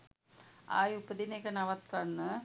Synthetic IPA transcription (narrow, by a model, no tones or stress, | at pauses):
a̰ːjupːəd̪inekənaʋat̪kanːə